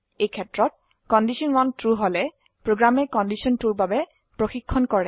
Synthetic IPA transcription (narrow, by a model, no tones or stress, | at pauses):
ejkʰɛtɹɔt̚ | kɔndisɔnɹɔntɹuɦolɛ | pɹoɡɹamɛkɔndisɔntuɹbabɛ | pɹoxikʰːɔnkɔɹɛ